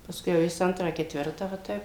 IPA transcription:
pɐsˈkʊɪ jɛʊ ˈjɪs ˈɐntrɑː kʲɛtʲˈʋʲɪrtɑː ʋɐ ˈtɐɪp

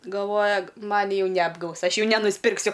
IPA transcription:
ɡɐlˠˈʋoːjɛ ˈmɑːnʲɪ ˈjɛʊ nʲɛɐbˈɡɐʊs ˈɐʃ ˈjɛʊ nʲɛnʊsʲpʲɪrkˈsʲʊ

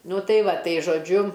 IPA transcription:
ˈnʊ ˈtɐɪ ˈʋɐ ˈtɐɪ ʒoːˈd͡ʒʲʊ

